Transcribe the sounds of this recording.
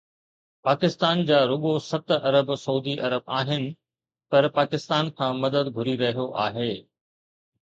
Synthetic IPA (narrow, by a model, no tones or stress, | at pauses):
paːkɪst̪aːnd͡ʑaːɾʊɠosɐt̪ɐɾəbsɐuːd̪iʔɐɾəbaːɦɪnɪ̆ | pɐɾpaːkɪst̪aːnkʰãːmɐd̪əd̪ɡʱʊɾiɾɐɦijoʔaːɦeː